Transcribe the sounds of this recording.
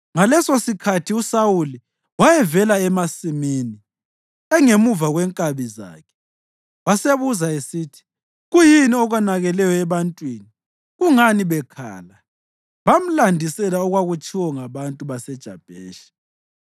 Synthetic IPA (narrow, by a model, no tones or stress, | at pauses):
ŋalɛsosikʰatʰiusawuli | wajɛvɛlaɛmasimini | ɛŋemuvaɣwɛŋkʼaβiza̰ːkʰɛ̥ | βaseβuzaesiːtʰi̥ | ɣujiniɔɣwanaɣɛlɛjɔɛβantʼwini | ɣuŋaniβɛkʰa̰ːla | βam̩landʱisɛlaɔɣwaɣut͡ʃʰʼiwɔŋaβantʼuβasɛd̥ʒ̥ʱa̰b̥ʱɛːʃi̥